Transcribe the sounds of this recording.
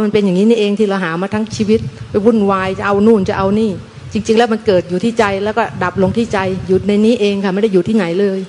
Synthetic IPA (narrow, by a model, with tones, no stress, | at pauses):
ma˧npe˧nja˨˩ŋiː˦˥niː˥˩ʔeː˧ŋt̪ʰiː˥˩la˧wɦaː˩˦maː˧t̪ʰa˦˥ŋt͡ɕʰiː˧wi˦˥t̪̚pa˧jwu˥˩nwaː˧jt͡ɕa˨˩ʔa˧wnuː˥˩nt͡ɕa˨˩ʔa˧wniː˥˩ | t͡ɕi˧ŋt͡ɕi˧ŋlɛ˦˥wma˧nkɤː˨˩t̪̚juː˨˩t̪ʰiː˥˩t͡ɕa˧jlɛː˦˥wkɔː˥˩da˨˩p̚lo˧ŋt̪ʰiː˥˩t͡ɕa˧jjuː˨˩na˧jniː˦˥˩ʔeː˧ŋkʰa˥˩ma˥˩jda˥˩juː˨˩t̪ʰiː˥˩na˩˦jlɤː˧j